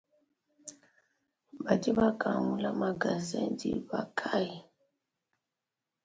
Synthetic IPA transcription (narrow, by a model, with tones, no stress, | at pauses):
ba˨di˦βa˦ka˨mu˦la˦ma˨ɡa˨zɛ˦ndḭ˦ba̰˨kʰa˦ji˨